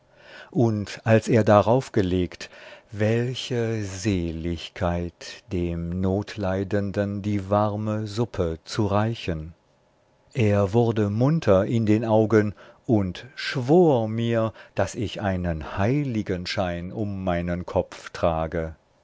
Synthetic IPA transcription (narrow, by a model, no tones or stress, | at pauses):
ʔʊntʔalseːɐdaʁaʊfɡ̥əleːktvɛlçəzeːlɪçkʰaɪtd̥eːmnoːtʰlaɪdəndəndiːvaʁməzʊpʰət͡suʁaɪçən | ʔeːɐvʊɐdəmʊntʰɐɪndeːnʔaʊɡənʔʊntʃv̥oːɐmiːɐd̥asɪçʔaɪnənhaɪlɪɡənʃaɪnʊmːaɪnənkʰɔp͡ftʁ̥aːɡə